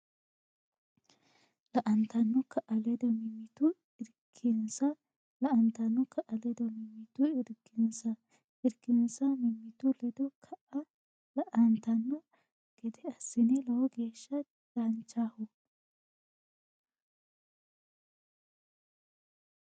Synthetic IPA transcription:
lɐʔɐnt̪ɐnːɔkʰɐʔɐlɛd̪ɔmɪmːɪt̪ʊ | ɪɾkʰːɛnsɐ | lɐʔɐnt̪ɐnːɔkʰɐʔɐlɛd̪ɔmɪmːɪt̪ʊɪɾkːɪnsɐ | ɪɾkːɪnsɐmɪmːɪt̪ʊlɛd̪ɔkʰɐʔɐ | lɐʔɐnt̪ɐnːɔ | ɡ̥ɛd̪ɛɐsːɪnɛlɐwɔɡeːʃːɐ | d̥ɐnt͡ʃːahʊ

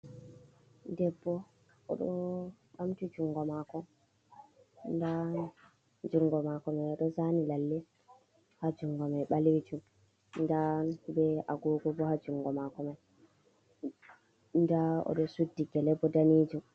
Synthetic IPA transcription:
dɛbːɔ | ɔ̰ɗɔ | ɓamtid͡ʒuŋɡɔmakɔ | nda | d͡ʒuŋɡɔmakɔmajɔɗɔzanilalːɛ | had͡ʒuŋɡɔmajɓaled͡ʒum | ndabɛʔa̰ɡɔːɡɔbɔhad͡ʒuŋɡɔmakɔmaj | ndaɔ̰ɗɔsudːiɡɛlɛbːɔdanid͡ʒum

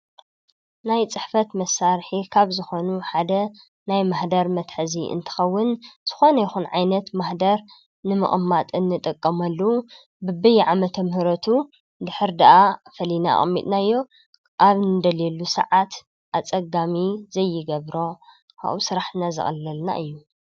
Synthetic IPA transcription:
najt͡sʼɨħfɐt̪mɐsːaɾħikʰaβzɨxo̞nuħad̪ɐ | najmaħd̪ɐɾmɐt̪ħɨziʔɨ̰nt̪ʰɨ̥xɐwːʊnz̥ɨ̥xo̞nɐjɪxunʕajnɐt̪maħd̪ɐɾ | nɨmɨ̰χʼmːat̪ʼɨnːɨt̪ʼɐkʼːɐmɐlːɐwu | bɨbɨjʕamɐt̪ʰɐmhɨɾɐt̪ʰu | d̪ɨħɨɾd̪aʔafɐlina̰xʼɐ̰mːḭt̪ʼnaɨjːo̞ | ʔaβnɨd̪ɐlelːusɐ̰ʕat̪ | ʔat͡sʼɐɡamizɐjːɪɡɐβɾo̞ | kʰa̰ʔusɨɾaħnazɨ̰xʼlːɨlna̰ʔɨjːu

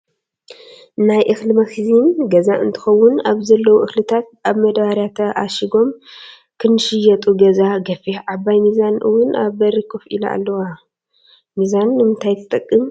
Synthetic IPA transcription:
najʔɨxlɨmɐxizinɡɐzaʔɨ̰nt̪ʰɨ̥xɐwːʊnaβzɐlːɐwuʔɨxlɨt̪ʰat̪̚ʔaβmɐd̪baɾjat̪ʰɐʔaʃiɡo̞m | kʰɨnɨʃɪjːɐt̪ʼuɡɐzaɡɐfiʕabajmizanʔɨ̰wʊna̰βbɐɾɨkʰofʔila̰a̰lːɐwa | mizanːɨmɨnt̪ʰajt̪ʰɨt̪ʼɨkʼːɨm

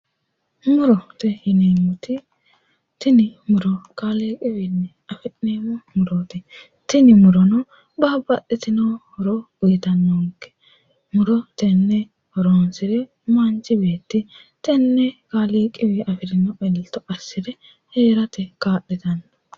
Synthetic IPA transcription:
mʊɾɔt̪ɛhɪneːmɔt̪ɪ | t̪ɪnɪmʊɾɔkaleːkʼɪwɪnːɛ | ɐfɛneːmɔmʊɾoːt̪ɪ | t̪ɪnɪmʊɾɔnɔ | baːbːɐɗːɪt̪ɪnɐhɔɾɔ | t̪ɐnːoŋkːɛ̥ | mʊɾɔt̪ɛnːɛ | hɔɾoːnsɪɾɛ | mant͡ʃːɪbeːt̪ːɪ | t̪ɛnːɛkaːliːkʼɪwɪɐfɪɾɪnɔʔɛlt̪ːɔʔɐsːɪdɛ | heːɾɐt̪ɛkaːɗːɛt̪ɐnːɐ

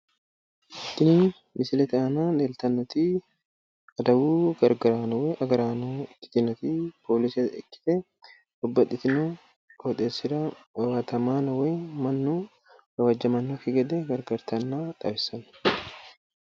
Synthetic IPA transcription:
ʔɪt̪ːɪniːn | mɪsɪlɛt̪ɪanaːnelt̪ɐnːɔt̪i | ɐd̪ɐbuːɡɐɾɡɐɾaːnɐwɛʔɐɡɐɾaːnoɪ̥t̪ɪnɔt̪ipʰoːlɪsɐɛkːɪ̥t̪ɛ | bɔbːɐt̪ːɪt̪ɪno | kɔt̪ʼesːɪɾaɐwaːt̪ɐmaːnɐwemɐnːuː | ɡɐwɐd͡ʒːɐmɐnːokɪɡɐd̪ɛɡɐɾɡɐɾt̪ɐnːaːt̪ʼɐbɪsɐn

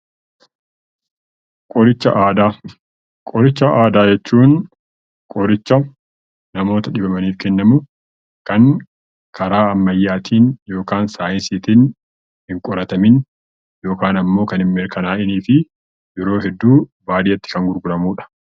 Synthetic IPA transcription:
kʼɔɾɪt͡ʃːɐ̰ʔaːd̪aː | kʼɔɾɪt͡ʃːɐaːd̪aːd͡ʒɛt͡ʃːuːn | kʼɔɾɪt͡ʃːɐ | nɐmo̞ːt̪ɐᶑɪbɐmɐniːfkɛnːɐmʊ | kɐŋ | kʰɐɾaːɐmːɐjːaːt̪ʰiːnjo̞ːkaːnsaːjɪnsiːt̪in | hɪŋkʼɔɾɐt̪ɐmɪn | jo̞ːkaːnɐmːo̞ːkɐnɪmmɛɾkɐnaːʔɪniːfɪ | jɛɾo̞ːɦɛd̪ːuːbaːd̪ɪjɐt̪ːɪ̥kɐŋɡʊɾɡʊɾɐmuːᶑɐ̥

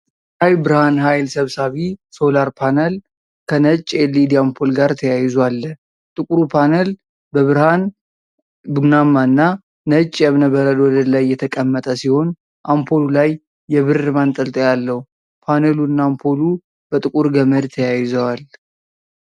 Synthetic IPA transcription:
ajbɨɾhanɦajlsəβsaβiso̞laɾpʰanəl | kʰənət͡ʃʼːelːid̪iampʰolɡaɾt̪ʰəjajzoalːə | t̪ʼɨkʼuɾupʰanəl | bəβɨɾhan | bunamaɨnːaː | ət͡ʃʼːjɛβnəbəɾəlwɔd̪əlajːɛt̪ʰəkʼəmːət̪ʼəsiho̞n | ʔampʰo̞lulajː | ɛβɨrɨmant̪ʼəlt̪ʼəjalːəhu | pʰanəluɨnːampʰo̞lu | b̥ət̪ʼɨkʼuɾɡəməd̪t̪ʰəjajɪzəwal

